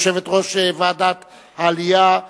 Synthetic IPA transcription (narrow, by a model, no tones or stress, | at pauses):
ʃe̞vet̪ʁo̞ʃevad̪at̪ | haːlija